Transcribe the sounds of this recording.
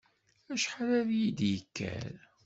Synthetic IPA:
æʃħaɾæɾjid̪jəkːæ̰ɾ

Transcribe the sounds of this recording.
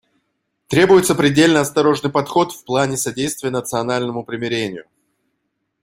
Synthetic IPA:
t̪ɾʲe̞bʊjɪt̪səpɾʲɪdʲelʲnəɐst̪ɐɾo̞ʐnɨjpɐt̪xo̞t̪fplˠanʲɪsɐdʲejst̪vʲɪjənət̪sɨɐnalʲnəmʊpɾʲɪmʲɪɾʲenʲɪjʊ

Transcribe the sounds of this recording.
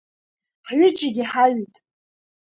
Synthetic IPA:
ħɥɪd͡ʒɪɡʲiħaɥitʼ

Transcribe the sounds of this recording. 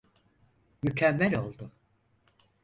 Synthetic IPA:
mycʰɛmːælʲo̞lˠd̪ʊ

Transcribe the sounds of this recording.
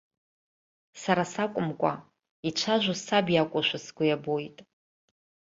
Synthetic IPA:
saɾasakʷʼʊmkʷʼa̰ | it͡ʃʷʰaʒʷʊsabijakʷʼaʃʷasɡʷʊjabojtʼ

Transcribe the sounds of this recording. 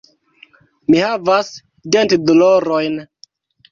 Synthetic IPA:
mihavas | dentdoloɾojn

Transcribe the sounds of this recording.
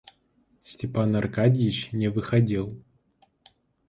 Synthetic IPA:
sʲtʲɪpanɐrkadʲɪjɪt͡ɕnʲɪvɨxɐdʲelˠ

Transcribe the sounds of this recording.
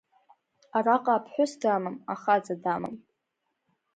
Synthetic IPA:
araqʼaːpʰħʷʊsdamamaχad͡zadama̰m

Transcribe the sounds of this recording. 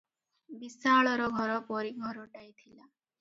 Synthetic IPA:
bisaɭɔɾɔɡʱɔɾɔpɔɾiɡʱɔɾɔʈajt̪ʰila

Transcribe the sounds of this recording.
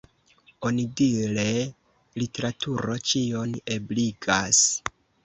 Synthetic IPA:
o̞nidiɾe̞ | lite̞ɾatʰuɾot͡ʃio̞ne̞bliɡas

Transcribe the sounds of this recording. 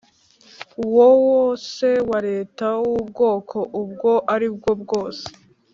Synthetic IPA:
uwowoːse̞waɾe̞ːtauwubɡo̞ːkʰo̞ʔubɡo̞ʔaɾibɡo̞bɡo̞ːse̥

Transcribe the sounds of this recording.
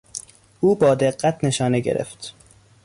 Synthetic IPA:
ʔuːbɒːd̪eɢːæt̪ʰne̞ʃɒːneɟḛɾḛft̪

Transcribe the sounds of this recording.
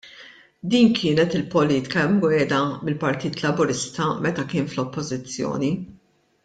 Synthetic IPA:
d̪iːnkʰɪːnɛt̪ɪlpɔliːt̪ɪ̥kɐɛmɡwɛːd̪ɐmɪlpɐɾt̪iːt̪lɐbʊɾɪst̪ɐmɛt̪ɐkɪːnflɔpːɔzɪt͡sːjɔ̰ːni

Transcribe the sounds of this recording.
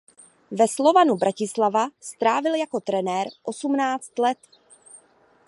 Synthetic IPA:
vɛslo̞vanubɾʔacɪslavast̪ɾaːvɪljako̞t̪ɾɛnɛːɾʔo̞sumnaːt͡st̪lɛt̪

